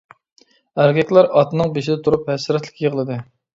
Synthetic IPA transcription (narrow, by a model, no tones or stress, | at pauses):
æɾɡʲɛkʲlˠæɾɑt̪nɨŋbeʃɪd̪ɛt̪ʰuɾuphæsɾɛt̪lɪ̥kʲʰijeʁəlˠɨd̪ɨ